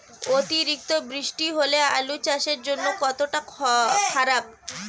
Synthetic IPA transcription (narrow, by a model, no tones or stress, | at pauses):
ot̪iɾik̚t̪obɾiʃʈiɦolea̰lut͡ɕaʃeɾd͡ʑonːokɔt̪oʈakʰaɾab̚